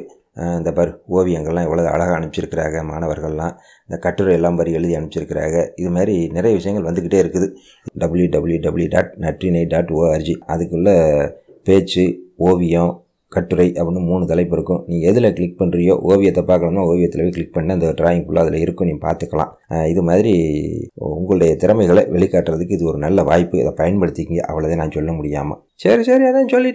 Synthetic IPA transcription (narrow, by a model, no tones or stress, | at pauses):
ɪnd̪ɐpaːɾioːʋɪjɐŋɡɐɭlːãːɛʋːɐɭɐʋɯɐ̰ɭɐɣɐːɳɯɪt͡ʃːɪɾɯkːɪɾa̰ːɣɐmaːnɐʋɐɾɣɐɭlãː | ɪnd̪ɐkɐʈːɯɾɐɪɛlːaːmpaːɾiɛɻɯðiɐɳɯp̚t͡ʃːɪɾɯkːɪɾa̰ːɣɐɪðɯmaːdɾinɪɾɐjɐʋɪʂɐjɐ̃ŋɡɐɭʋɐnd̪ɯk̬ːɪʈːeːɪɾɯkːɯðɯ | ɖɐbɯljuɖɐbɯɭjuɖɐbɯɭjuɖa̰ːʈ̚nɐʈrinɐɪɖaːʈːoːaɾd͡ʒiɐðɯkːɯɭːɐ | peːt͡ʃːɯoːʋɪjõ | kɐʈːɯɾɐɪʔɐpɐnːɯmuːnɯt̪ɐlɐɪpːɪɾɯkːʊ̃nĩːɛðɯlɐkɪɭɪk̚pɐɳɾɪjo̰ːʔoːʋɪjɐt̪ːɐpːaːɾkɐɳɐmnaːoːʋɪjɐt̪ːɪlɐʋeːkɪɭɪk̚pɐɳːaɪnd̪ɐʈɾaːjɪŋɡfʊɭːɐɐðɪlɐɪɾɯkːʊ̃nĩːpa̰ːɾt̪ɯkːɐlã̰ː | ɪðɯmaːðɪɾi | ʊ̰ŋɡɐɭɯɽɐjɐt̪ɪɾɐmɐɪɣɐɭɐʋɛɭɪkːaːʈːɾɐðɯkːɯɪðɯɔɾɯnɐlːɐʋa̰ːjpːɯɪ̰ðɐpɐjɐnpɐɽɯt̪ːɪkːɪŋɡɐ̰ʔɐ̰ʋɐɭɐt̪ẽːnãːnsɔlːɐmʊɽɪjaːmɐ̰ | sɐɾisɐɾiɐðãːnsɔlːɪʈː